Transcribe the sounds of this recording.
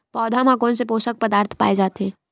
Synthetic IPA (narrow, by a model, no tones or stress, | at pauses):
pɔːd̪ʱamãkonsepoːsək̚pəd̪aːɾt̪ʰpa̰ːed͡ʒaːt̪e